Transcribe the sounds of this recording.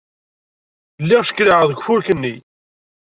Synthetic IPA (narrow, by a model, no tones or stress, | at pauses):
lːiʁʃə̥kːɾiʁəðəɡʷfʊɾkənːi